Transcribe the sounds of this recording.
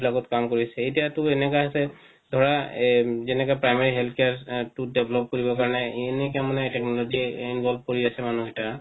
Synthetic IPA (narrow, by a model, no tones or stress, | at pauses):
blakɔtkamkoɹisɛetijatʊɛnɛkɔjɦasɛ | dʱɔɹa | zɛnɛkɔjpɹajmaɹiɦɛlt̪ʰkjaɹtudɛbʱlɔp̚koɹibɔkaɹɔnɛnɛkamanɛtɛknɔlɔziinbʱɔlb̚ʱkoɹiasɛmanuɦita